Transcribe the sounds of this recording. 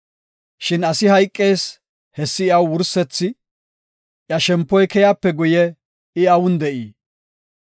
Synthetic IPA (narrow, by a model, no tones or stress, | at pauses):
ʃɪnɐsɪɦɐjkʼːe̞ːs | hɛsːɪɪɐwwʊɾsɛt͡sːɪ | ʔjɐʃɛmpːɔjkɛjaːpːɛɡʊjɛ | ɪɐwʊnd̪ɛʔiː